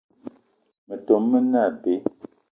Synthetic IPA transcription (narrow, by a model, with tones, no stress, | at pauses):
mə˨to˨mːə˦na˦˨be˨˦